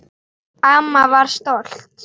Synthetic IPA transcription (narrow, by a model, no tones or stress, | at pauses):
amːavaɾ̥st̪olt̪